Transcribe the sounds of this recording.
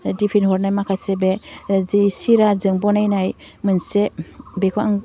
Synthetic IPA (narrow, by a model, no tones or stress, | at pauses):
dipʰinhɔɾnajmakʰajsebezisiɾazɯŋbɔnajnaj | mɯnsebekʰaŋ